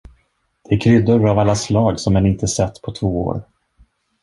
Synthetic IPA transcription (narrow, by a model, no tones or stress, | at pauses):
d̪̥ɛæɾkʰɾʏd̪ːʊɾavalːaslɑːɡsɔmɛnɪnt̪əsɛt̪ːpʰɔt̪ʰvoːo̰ːɾ